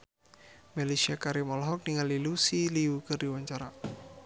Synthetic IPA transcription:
malesiakaɾimɔlɦɔk̚niŋalilusiliukɨrdiwaɲt͡ʃaɾa

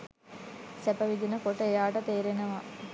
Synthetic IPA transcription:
sɛpəʋid̪inəkoʈəejaːʈət̪eːɾenəʋa

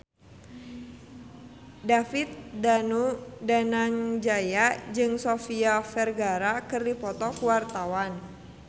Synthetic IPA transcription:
dafit̪̚danudanaŋd͡ʒajad͡ʒɨŋsofiafɛrɡaɾakɨrdipɔt̪ɔkuwart̪awan

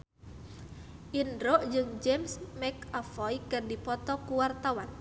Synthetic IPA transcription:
ʔindɾɔʔd͡ʒɨŋd͡ʒɛmsmɛkafɔjkɨrdipɔt̪ɔkuwart̪awan

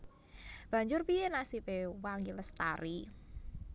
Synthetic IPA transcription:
b̥a̤ɲd͡ʒʊrpienasipewaŋɡiləst̪a̰ɾi

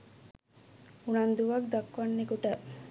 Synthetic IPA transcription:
unand̪uʋak̚d̪akʋanːekuʈə

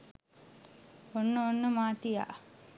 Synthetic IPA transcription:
onːəonːəmaːt̪ija̰ʔ

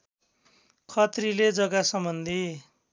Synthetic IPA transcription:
kʰʌt̪riled͡zʌɡasʌmbʌnd̪ʱi

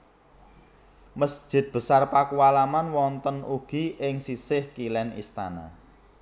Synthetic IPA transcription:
məsd̥ʒ̥ɪ̤t̪̚b̥ə̤sarpakuwalamanwɔnt̪ənuɡ̥i̤ʔɪŋsisɪhkilɛnḭst̪a̰na̰

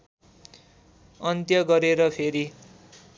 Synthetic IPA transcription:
ʌnt̪jʌɡʌɾeɾʌpʰeɾi

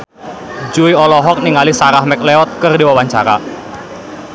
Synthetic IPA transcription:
d͡ʒuiɔlɔɦɔk̚niŋalisaɾahmɛk̚leɔt̪̚kərdiwawaɲt͡ʃaɾa̰

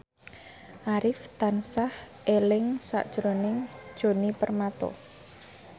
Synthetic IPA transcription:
ʔaɾɪft̪ansah | ʔelɪŋsa̰ʔd̥ʒ̥ɾonɪŋ̥ʒ̥o̤nipərmat̪ɔ̰

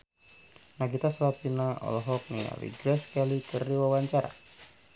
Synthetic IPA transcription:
naɡit̪aslapinaɔ̰lɔɦɔk̚nija̰wḭɡɾɛskɛlikərdiwawaɲt͡ʃaɾa̰

